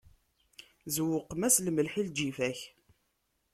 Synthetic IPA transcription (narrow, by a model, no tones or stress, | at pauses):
zwʊqːəmæslməlħild͡ʒifæç